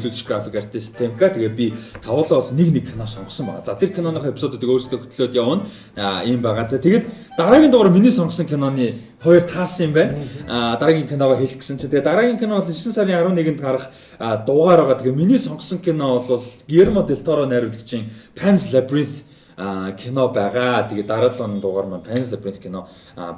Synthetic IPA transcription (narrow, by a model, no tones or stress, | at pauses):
ɮuːt̪t͡ɕɡrafikar̥t̪ʰiːst̪ʰemkat̪ʰeɣeːt̪̚pʲit̪ʰawʊːɮaːɔɮneknekʰːinɔsɔɴqɞ̆sɞ̆mpæ̰ːʁa̰ːt͡sat̪ʰerkʰanɔniχɔːepʲsʊːt̪et̪ə̆koːrst̪ʰeːxu̥t̪̆ɮoːt̪jawə̆n | iːmpæːʁaːt̪ʰet̪ʰeɣeːt̪ | t̪aɾaːɡʲint̪ʊʁɾə̆miniːsɔɴqsɞ̆ŋkʰinɔniː | χɔjɞ̆rt̪ʰaːsə̆ŋɪmpæːnt̪aɾaːɣʲiːŋkʰinɔʁaːxeɮɡĕ̥sɘ̆nt͡ɕʰĭnt̪ʰeɣeːt̪aɾaːɣʲiːŋkʰinɔɮisɘ̆nsæɾʲiːŋaɾwə̆nːeɣɘ̆nt̪aɾə̆χ | t̪ʊːʁaːɾæːʁaːt̪ʰeɣeːt̪miniːsɔɴqsɞ̆ŋkʰinɔɮʊɮɡiermɔt̪eɬt̪ʰɔɾɔːnæːɾʲʊːɮɘ̆kt͡ɕʰiːŋpʰænsɮaprint̪ | kʰinɔpæːʁaːt̪ʰeɣeːt̪ːaɾə̆ːt̪ɮʊnĭnt̪ʊʁaːrmanpʰænsɮaprint̪̚kʰinɔ̰